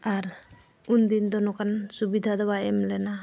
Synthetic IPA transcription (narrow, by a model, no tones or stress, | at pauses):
aɾ | und̪ind̪ɔnɔkansubid̪ʱad̪ɔwaɛmlɛna